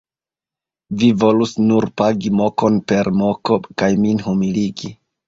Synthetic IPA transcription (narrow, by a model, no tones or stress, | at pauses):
vivo̞lusnuɾpaɡimo̞ko̞npe̞ɾmo̞ko̞kajminhumiliɡi